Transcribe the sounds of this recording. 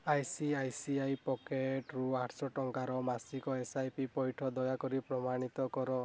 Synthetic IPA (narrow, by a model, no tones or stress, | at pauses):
ajsiajsiajpɔkeʈɾuaʈʰsɔʈɔŋkaɾɔmasikɔesajpipɔjʈʰɔd̪ɔjakɔɾipɾɔmaɽ̃it̪ɔkɔɾɔ